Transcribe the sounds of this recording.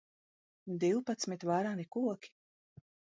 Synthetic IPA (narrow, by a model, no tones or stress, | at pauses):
d̪iwpat̪smit̪vaɾanikuɔkʲi̥